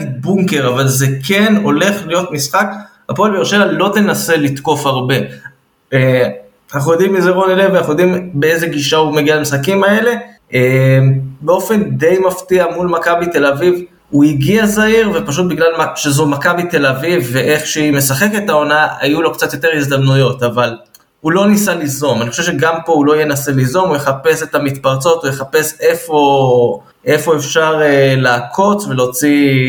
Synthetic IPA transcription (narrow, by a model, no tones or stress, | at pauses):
buŋke̞ʁavalzekʰeno̞le̞χlijo̞t̪misχakhapoalbeiʁʃelalo̞t̪e̞nase̞lit̪ko̞faʁbe̞ | e | anaχujo̞d̪imizeʁonelevanaχnujo̞d̪imbeeze̞ɡiʃaumeɡialamisχakimae̞le̞ | embeo̞fe̞nd̪e̞jmaft̪iamulmakabit̪e̞laviv | uiɡiazaiʁvepaʃut̪̚biɡlalmaʃezumakabite̞lavivːeʔe̞χʃeime̞saχe̞ketao̞naa̰julo̞kt͡sat̪jot̪e̞ʁizd̪amnujo̞taval | ulo̞nisalizo̞manixoʃevʃeɡampo̞ulo̞jenase̞lizo̞mujeχape̞setamit̪paʁt͡so̞t̪ujeχape̞se̞fo̞ | ʔe̞fo̞efʃaʁelaːkʰo̞t͡sve̞lo̞t͡si